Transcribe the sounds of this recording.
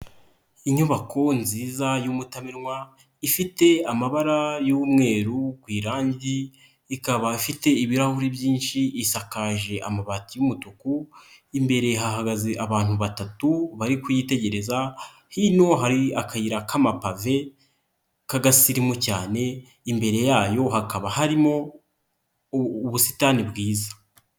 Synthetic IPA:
iɲuβakʰo̞nziːzajumutamiɾŋwa | ifite̞amaβaɾajuːmŋe̞ːɾukwiːɾaːɲɟiː | kaβaifite̞iβiɾahuɾibjiːnʃiʔisakaːʒe̞ʔa̰maβatijumutukuimbe̞ɾe̞ɦaɦaɡaziʔaβaːn̥huβatatuβaɾikujite̞ɟe̞ɾe̞za | hino̞ɦaɾiakʰajiɾakamapave̞ | kaɡasiɾimocaːne̞ | imbe̞ɾe̞jaːjo̞hakaβahaɾimo̞ | βusi̥taːnibɡiːzḁ

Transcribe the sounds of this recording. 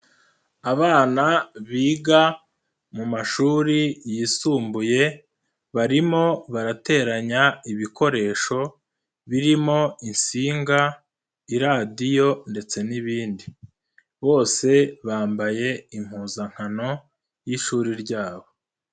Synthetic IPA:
aβaːnaβiːɡa | mumaʃuːɾijisuːmbuje̞ | βaɾimo̞βaɾate̞ːɾaɲaiβikʰo̞ɾe̞ːʃo̞ | βiɾimo̞insiːŋɡa | iɾadijo̞nde̞t͡se̞niβiːndi | βo̞ːse̞βaːmbaje̞im̥huːzaŋ̥hano̞ | jiʃuːɾiɾɟaːβo̞

